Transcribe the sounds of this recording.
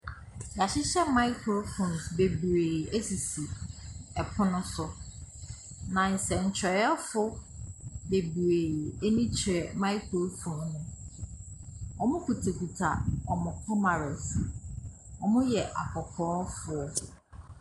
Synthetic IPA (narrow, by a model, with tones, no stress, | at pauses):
ja˨ɕɪ˦ɕɛ˦ma˦i˦kʰɾo˦fõ˨nsbe˨bu˨ɾe˨e˦si˨si˨ɛ˨pʰʊ̃˦nʊ̃˦sʊ˨ | nã˨n̩˨sɛ˨n̩˨t͡ɕʰɾɛ˨jɔ˦fʊ˦ | be˨bu˨ɾe˨e˦nĩ˦t͡ɕʰɾɛ˨mã˦i˦kʰo˦fʰõ˨nnʊ̃˨ | ɔ˨mʊ̃˦kʰu˨tʰe˨ku˨tʰa̰˨ɔ˨mʊ̃˨kʰɔ˦mã˨ɾɛ˨s | ɔ˨mʊ̃˦jɛ˨ʔa˨kʰɔ˨kʰɔː˨˦fʊ˨˦ɔ˦